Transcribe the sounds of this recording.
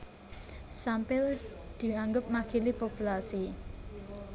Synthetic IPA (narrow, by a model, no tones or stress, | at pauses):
sampɪld̪̥i̤aŋɡʊp̚makilipopulasi